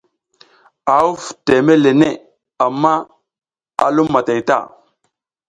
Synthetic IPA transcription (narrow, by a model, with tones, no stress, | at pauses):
a˨u˦fte˨me˦le˨ne˦˨ | a˨mːa˦ | a̰˨lu˦mːa˨ta˨jta̰˦˨